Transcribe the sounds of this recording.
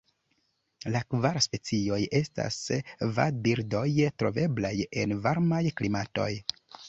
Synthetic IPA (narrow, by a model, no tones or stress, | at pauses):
lakvaɾspe̞t͡sio̞je̞sta̰sva̰biɾdo̞jtɾo̞̰ve̞blaje̞nvaɾmajklimato̞̰j